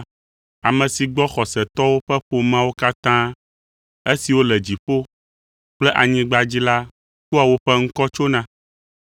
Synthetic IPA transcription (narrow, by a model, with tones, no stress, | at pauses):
a˨mɛ̃˨si˨ɡ͡bɔ˦xɔ˨sɛ˨t̪ɔ˦wo˦ɸɛ˦ɸo˨mã˦wo˦ka˦t̪ã˦ | e˦si˨wo˦lɛ˨d͡ʑi˨ɸo˦ | k͡plɛ˦ʔa˨ɲĩ˦ɡ͡ba˦d͡ʑi˦la˦ | ku˦a˨wo˦ɸɛ˦ŋ̩˦kɔ˦t͡ʃo˦nã˦